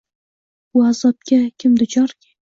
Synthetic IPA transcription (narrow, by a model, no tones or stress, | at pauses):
ʊazɒp̚kʲakʲʰɪmd̪ʊt͡ʃʰɒɾkʲʰa